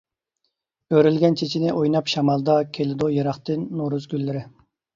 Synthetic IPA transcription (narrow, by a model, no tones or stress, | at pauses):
øɾylɡʲɛnt͡ʃʰet͡ʃʰinɪʔojnɑpʃɑmɑlˠd̪ɑkʲʰelɪd̪ojɑɾɑχt̪ɨnːoɾuzɡʲylːɪɾɪ